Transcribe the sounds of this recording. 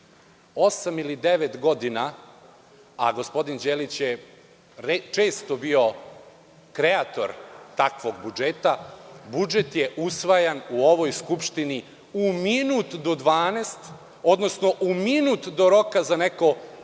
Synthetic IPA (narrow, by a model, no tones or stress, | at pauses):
o̞samilid̪eʋet̪ɡo̞d̪ina | aɡo̞spo̞d̪ind͡ʑeːlit͡ɕje | et͡ʃe̞ːst̪o̞bio̞ | kɾe̞at̪o̞̰ɾt̪akʋo̞ɡbud͡ʒet̪abud͡ʒet̪jeʔusʋajanuoʋojskupʃt̪ini | uminuːt̪d̪od̪ʋaːnest̪ | o̞d̪nosno̞ʔuminuːt̪d̪o̞ɾo̞kazaneko̞